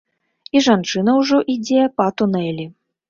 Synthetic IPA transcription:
iʐant͡ʂɨnɐwʐɔʔid͡zʲɛpɐt̪unɛlʲi

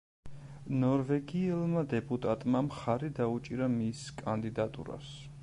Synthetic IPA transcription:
nɔɾvɛɡiɛlˠmad̪ɛpʼut̪ʼat̪ʼmamχaɾid̪aut͡ʃʼiɾamiskʼand̪id̪at̪ʼṵɾa̰s

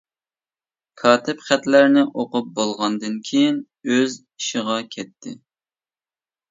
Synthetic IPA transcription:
kʰɑːt̪ʰɪpχæt̪læɾnɪʔoqʊp̚bolˠʁɑnd̪ɨnkʲʰejin | øz | iʃɪʁɑkʲʰɛt̪ʰːɪ

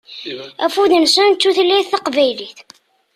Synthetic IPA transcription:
æfud̪ənsənːuθlːiθθɑqvæjliθ

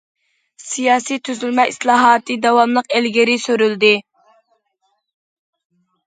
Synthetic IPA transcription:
sijɑːsijt̪ʰyzylmɛʔislˠɑːɦɑːt̪ɨd̪ɑwɑmlˠəqelɡʲɪɾɪsøɾyld̪ɪ

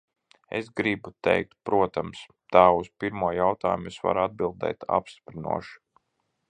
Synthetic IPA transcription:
ḛsɡɾibut̪ɛ̰jk̚t̪pɾuɔt̪ams | t̪aːuspiɾmuɔjawt̪a̰ːjumesva̰ɾad̪̚bilˠd̪ɛ̰jt̪ʰa̰pst̪i̥pɾinṵɔʃ

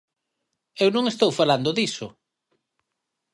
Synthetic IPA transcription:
ewnõŋest̪owfaland̪oðisʊ̰

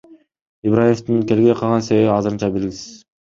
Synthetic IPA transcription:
ibɾajeft̪unke̞lɡeqʰɑlˠʁɑnse̞βe̞βiɑzɯɾɯnt͡ʃɑbelɡʲisi̥iz̥

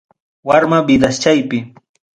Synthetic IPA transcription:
waɾmabɪd̪ast͡ʃajpɪ

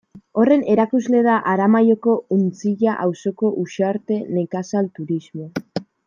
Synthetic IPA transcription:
o̞re̞ne̞ɾakuzle̞ðaʔaɾamajo̞ko̞unt͡siʝaʔawso̞ko̞ʔuʃaɾt̪e̞ne̞kasalt̪uɾizmo̞

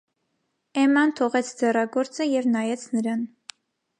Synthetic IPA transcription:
ɛmɑnt̪ʰɔʁɛt͡sʰd͡zɛrɑɡɔɾt͡səjɛvnɑjɛt͡sʰnəɾɑn

